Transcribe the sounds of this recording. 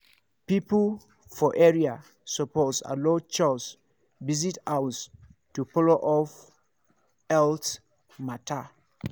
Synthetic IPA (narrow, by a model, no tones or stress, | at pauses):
pip | fɔʔɛɹia | sɔposa̰lot͡ʃɔs | vizitawstupɔloʔɔf | ɛlt | matʰa